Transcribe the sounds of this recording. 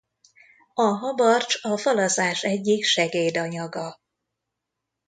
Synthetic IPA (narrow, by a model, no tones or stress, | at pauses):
ɒɦɒbɒrt͡ʃɒfɒlɒzaːʃɛɟːikʃɛɡeːd̪ɒɲɒɡɒ